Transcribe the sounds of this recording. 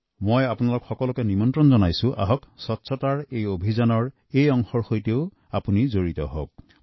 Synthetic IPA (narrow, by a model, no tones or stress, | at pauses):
mojapunalʊkxɔkɔlɔkɛnimɔntɹɔnzɔnajsʊ̃ʔa̰ɦɔksɔtːsʰɔtaɹejobʱizanɔɹ | ejɔŋxɔɹxojteʊ | apunizoɹitɔ̰ɦo̰k̚